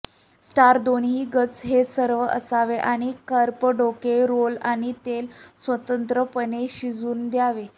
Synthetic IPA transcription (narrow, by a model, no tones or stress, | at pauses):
sʈaɾd̪onɦiːɡət͡sɦesəɾʋəʔə̰saʋeʔaɽ̃ikəɾpəɖokeɾolaɽ̃it̪elsʋət̪ənt̪ɾəpəneɕid͡zuːnd̪jaʋe